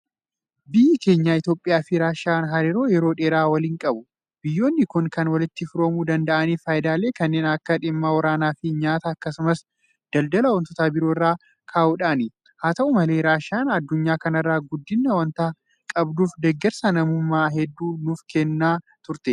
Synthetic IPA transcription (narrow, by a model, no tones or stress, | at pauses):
bɪjːɪke̞ːɲːaːɪt̪jo̞ːpʼːɪjaːfɪɾaːʃaːnɦɐɾeɾo̞ːjɛɾoːᶑeːɾaːwɐliːŋkʼɐbʊ | bɪjːo̞ːnːɪkʊŋkɐnwɐlɪt̪ːɪfɪɾoːmuːd̪ɐnd̪ɐʔɐniːfaːjɪd̪aːle̞ːkɐnːeːnɐkːɐᶑɪmːaːwɐɾaːnaːfɪɲaːt̪ɐːkːɐsʊmɐs | d̪̥ɐld̪ɐlɐwɔnt̪ɔt̪aːbɪɾoːɪrːaː | kʰaːʔʊᶑaːnɪ | haːt̪ɐʔʊmɐle̞ːɾaːʃaːnɐd̪ːʊɲːaːkɐnɐrːaːɡʊd̪ːɪnːɐwɐnt̪aː | kʼɐbd̪uːfd̪ɛɡːɛɾsɐnɐmumːaːɦɛd̪ːuːnʊfkɛnːaː | t̪ʊɾt̪ɛ